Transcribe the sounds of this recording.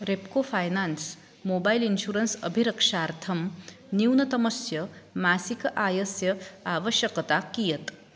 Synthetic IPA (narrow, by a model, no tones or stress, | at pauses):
ɾepkofʰaːjnaːns | moːbajlinʃuːɾɐnsɐ̰bʱiɾɐkʂaːɾt̪ʰɐm | niwnɐt̪ɐmɐsjɐmaːsikɐʔaːjɐsjɐaːʋəʃjɐkɐt̪akijɐt̪